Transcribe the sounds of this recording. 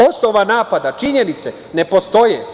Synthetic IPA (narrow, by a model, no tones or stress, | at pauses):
osnoʋanaːpad̪at͡ʃiɲenit̪se | ne̞po̞st̪o̞je